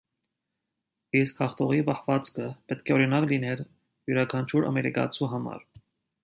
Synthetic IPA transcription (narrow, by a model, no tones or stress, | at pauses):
iskhɑχt̪ɔʁipɑhvɑt͡skʰəpɛt̪kʰɛɔɾinɑklinɛɾ | juɾɑkʰɑnt͡ʃʰuɾɑ̰mɛɾḭkɑ̰t͡sʰuɦɑmɑ̰ɾ